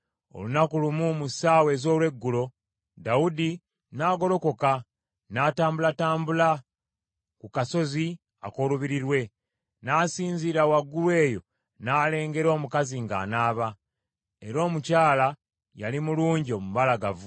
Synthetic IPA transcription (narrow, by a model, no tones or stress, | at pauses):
o̞̰lunakulumumusaːwe̞ːzo̞ːlwe̞ɡːulo̞ | daudi | naːɡo̞lo̞ko̞ka | naːtaːmbulataːmbula | kukaso̞zi | a̰ko̞ːluβiɾiɾwe̞ | naːsiːɲziːɾawaɡːulwe̞ːjo̞̰ | naːle̞ːŋɡe̞ɾo̞ːmukaziŋɡa̰ːnaːβa | e̞ɾo̞ːmucaːla | jalimuluːɲɟio̞mumalaɡavu